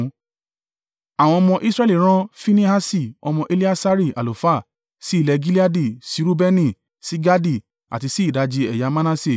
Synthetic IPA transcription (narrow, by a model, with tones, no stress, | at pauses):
a˨w̃ɔ̃˧ɔ˧mɔ̃˧ʔi˦sɾɛ˦li˦˨ɾ̃ã˦fi˦nĩ˦ha˦si˦˨ɔ˧mɔ̃˧ʔe˦li˦a˦sa˦ɾi˦˨ʔa̰˨lo˨fa˦˨ | si˦˨lɛ˨˧ɡi˦li˦a˦di˦˨si˨˦ɾu˦bɛ˦nĩ˦˨ | si˨˦ɡa˦di˦˨ | a̰˨ti˧si˦i˦˨da˧˦d͡ʒi˧ɛ˨ja˨˦mã˦nã˦se˦˨